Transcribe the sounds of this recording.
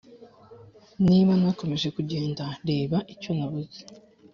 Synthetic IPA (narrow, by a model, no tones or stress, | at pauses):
niːβanako̞me̞ʒe̞kuɟe̞ːndaɾe̞ːβaʔico̞naβuzi̥